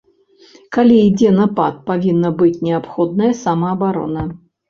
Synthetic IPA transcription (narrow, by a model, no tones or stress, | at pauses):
kalʲiid͡zʲɛnɐpa̰t̪̚pavʲinːəbɨtʲnʲɪapxɔd̪̚nəjɐsamɐːbaɾɔ̰nə